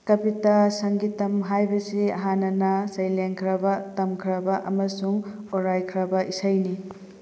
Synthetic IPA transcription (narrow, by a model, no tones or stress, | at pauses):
kɐpitasɐŋɡitɐmɦajbɐsiɐɦanːɐnɐsɐjlenkʰɾɐbɐtɐmkʰɾɐbɐʔɐmɐsuŋ | oɾajkʰɾɐbɐʔisɐjni